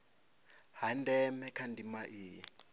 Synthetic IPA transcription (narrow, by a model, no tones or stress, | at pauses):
handɛmɛkʰandimaʔiː